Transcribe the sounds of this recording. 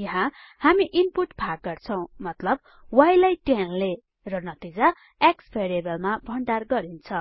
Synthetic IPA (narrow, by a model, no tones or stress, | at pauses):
jʌɦã | hamiʔimpuʈbʰʱak̚ɡʌrt͡sʰʌw̃mʌt̪lʌb̚ | wajlajʈanle | rʌnʌt̪id͡za | ekspʰeɾebʌlmabʱʌɳɖarɡʌɾint͡sʰʌ